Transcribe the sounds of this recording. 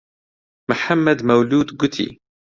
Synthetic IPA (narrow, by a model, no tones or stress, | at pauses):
mʊħamːad̪mawluːd̪ɡʊt̪ʰḭ